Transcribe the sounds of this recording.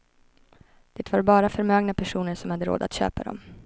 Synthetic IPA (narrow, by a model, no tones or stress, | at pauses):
d̥̪ɪt̪vaɾbɑːɾafœɾmøːɡnapʰæʂuːnəɾʂɔmhad̪ːəɾo̰ːd̪a̰t̪ɕø̰ːpad̪ɔ̰m